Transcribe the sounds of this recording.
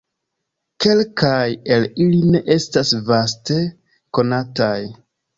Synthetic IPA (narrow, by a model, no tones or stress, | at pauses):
ke̞lkaje̞liline̞ʔe̞stasvaste̞ | ko̞nataj